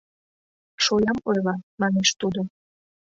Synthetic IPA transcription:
ʃojɑmojlɑmɑneʃt̪ud̪o

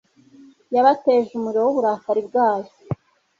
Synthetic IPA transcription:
jaβateːʒumuɾowoβuɾakaɾibɡaːjo

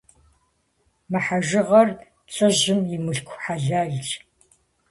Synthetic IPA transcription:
mɨħaʒɪʁɐr | ɬʼɨʑɪmjɪmɨɬkʷʰħaɮaːɮt͡ʃ

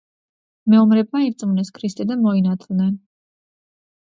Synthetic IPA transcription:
mɛumɾɛb̚maivsʼmunɛskʰɾist̪ʼid̪amɔinat̪ʰlˠnɛn

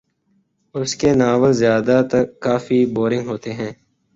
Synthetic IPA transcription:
ʊskenaːʋəlzjaːd̪at̪ɐːaːfiboːɾɪ̃ŋɡɦoːt̪eɦɛ̃ː

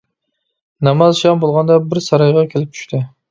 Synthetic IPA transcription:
nɑmɑzʃɑmbolˠʁɑnd̪ɑbɪɾsɑɾɑjʁɑkʲʰelɪp̚t͡ʃʰy̥ʃt̪ʰɪ

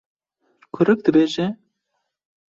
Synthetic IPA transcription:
kʰɨɾɨk̚d̪ɨbeːʒɛ

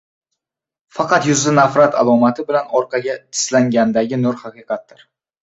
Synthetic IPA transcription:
fɑqɑt̪jʊzlɪnafɾat̪ʰa̰lˠɒmat̪ʰɪbɪlanɒɾqʰɑɡʲat̪ʰɪ̥slaŋɡʲand̪aɡʲɪnoɾhɑqɨqʰɑt̪ːɪɾ

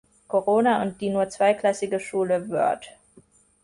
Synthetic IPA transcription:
kʰoʁoːnaʊnt̚d̥iːnuːɐt͡sv̥aɪkl̥asɪɡəʃuːləvʏ̰ɐt

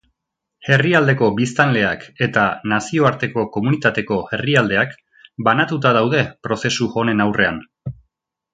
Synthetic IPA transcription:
e̞riald̪e̞ko̞bist̪anle̞ake̞t̪anasio̞aɾt̪e̞ko̞ko̞munit̪at̪e̞ko̞e̞riald̪e̞ak | banat̪ut̪aðawðe̞pɾo̞se̞suʝo̞ne̞nawre̞a̰n

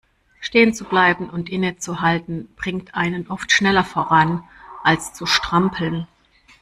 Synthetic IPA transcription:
ʃteːənt͡sublaɪbm̩ʊntʔɪnət͡suɦaltn̩b̥ʁɪŋktʰʔaɪnənʔɔftʃnɛlɐfoːʁanʔalst͡suʃtʁ̥ampʰl̩n

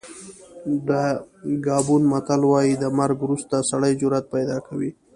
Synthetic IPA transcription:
d̪əɡɑːbunmat̪alwɑjid̪əmaɾɡɾust̪asaɽəjd͡ʒʊɾat̪̚pajd̪ɑkawi

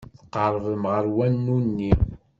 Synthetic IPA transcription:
θə̥qəɾˤvəmʁəɾwænːunːi

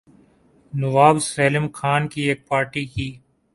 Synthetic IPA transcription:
nɐʋaːbseːlɪmxaːnkieːk̚paːɾʈikiː

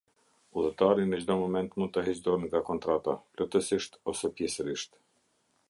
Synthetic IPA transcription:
uðˠɛt̪aɾinət͡ʃd̪ɔmɔmɛnt̪mund̪̚t̪əɦɛt͡ʃd̪ɔɾnɡakɔnt̪ɾat̪aplɔt̪əsiʃt̪ɔsɛpjɛsəɾiʃt̪

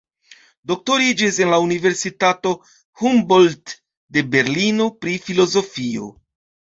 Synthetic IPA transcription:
do̞k̚to̞ɾid͡ʒise̞nlaunive̞ɾsitato̞ | humbolt | de̞be̞ɾlino̞pɾifilo̞zo̞fio̞̰

